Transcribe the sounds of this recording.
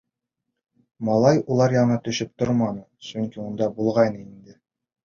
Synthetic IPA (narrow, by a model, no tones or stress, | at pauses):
mɒlˠɑjulˠɑɾjɑ̆nɤt̪ɵ̆ʃɘp̚t̪oɾmɑnɤsɵŋkiund̪ɑbulˠʁɑjnɤind̪ɘ